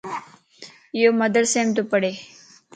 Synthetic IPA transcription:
jomɐd̪əɾsemt̪upɐɽe

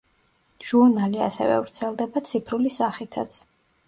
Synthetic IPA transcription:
ʒ̥uɾnaliasɛ̰vɛ̰vɾt̪sʰɛlˠd̪ɛbat̪sʰipʰɾulisaχit̪ʰat̪sʰ

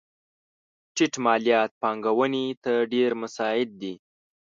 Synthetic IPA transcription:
ʈiʈmɑlijɑt̪̚pɑŋɡawənit̪əɾɖeɾmʊsɑjɪd̪̚ːi

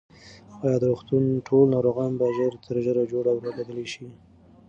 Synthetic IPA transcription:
awɑjɑd̪ɾoxt̪unʈʰolnɑɾoɣɑnbaʒəɾt̪ʰəɾʒəɾad͡ʒoɽawɾadad̪əleʃi

